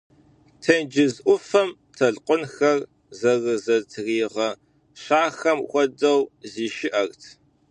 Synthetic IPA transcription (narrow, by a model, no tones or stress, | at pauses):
tʰɐnd͡ʒɪzʔʷʊfɐm | tʰɐɮqʷʊnxɐr | zɐrɨzɐtʰriːʁɐ | ɕaːxɐmxʷɔdɐwziːʃɪʔɐrtʰ